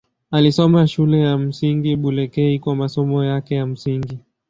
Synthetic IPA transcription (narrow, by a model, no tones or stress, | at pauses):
alisɔmaʃulɛjam̩siŋɡiɓulɛkɛikwamasɔmɔjakɛjam̩siŋɡi